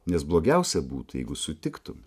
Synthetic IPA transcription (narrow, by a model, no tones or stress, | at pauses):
nʲɛsblˠoːɡʲɛʊsʲɛbṵːt̪ujɛ̰ɪɡʊsʊt̪ʲɪkt̪ʊm